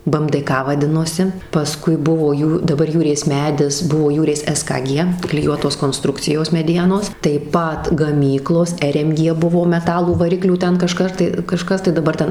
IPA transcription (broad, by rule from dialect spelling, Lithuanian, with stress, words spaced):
bɘ ɛm dɘ ˈkɐ ʋɐˈdʲɪnoːsʲɪ pɐˈskʊɪ ˈbʊʋoː ˈjuː dɐˈbɐr ˈjuːrʲeːs ˈmʲæːdʲɪs ˈbʊʋoː ˈjuːrʲeːs ɛs kɐ ˈɡʲiɛ klʲɪˈjuɔtoːs koːnˈstrʊkt͡sʲɪjoːs mʲɛˈdʲiɛnoːs tɐɪp ˈpɐt ɡɐˈmʲiːklˠoːs ɛr ɛm ˈɡʲiɛ ˈbʊʋoː mʲɛˈtɑːlˠuː ʋɐˈrʲɪklʲuː ˈtʲɛn kɐˈʃkɐr tɐɪ kɐˈʃkɐs tɐɪ dɐˈbɐr ˈtʲɛn